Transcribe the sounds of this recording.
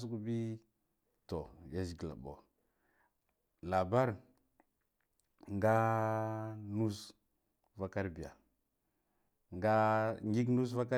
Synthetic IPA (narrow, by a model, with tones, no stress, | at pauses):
s̬u˦ku˦bi˦ | to˨ja˨zi˨ɡla̰˨bo̰˨ | la˨ba˦ɾ | ŋɡa˦ | nu˦s | va˦ka˦ɾbi˨ja̰˨ | ŋɡa˦ŋɡi˦k̬nu˦s̬va˦ka˦